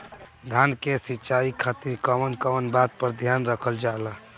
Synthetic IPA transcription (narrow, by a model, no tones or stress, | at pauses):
d̪ʱankesitːt͡ʃaikʰːat̪iɾkəmənkəmənbat̪̚pəɾd̪ʱjanɾəkʰəld͡ʒala